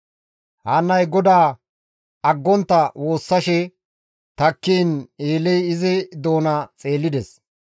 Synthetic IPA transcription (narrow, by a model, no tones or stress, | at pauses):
hɐnːɐjɡɔd̪aː | ɐɡːɔnt̪ːɐwo̞ːsːɐʃɛ | t̪ɐkːiːneːlɛjɪzɪd̪o̞ːnɐt͡sʼe̞ːlːɪd̪ɛs